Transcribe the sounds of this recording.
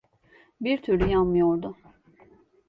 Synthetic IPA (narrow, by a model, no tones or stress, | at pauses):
biɾt̪ʰyɾlʲyjanmɯjoɾd̪ʊ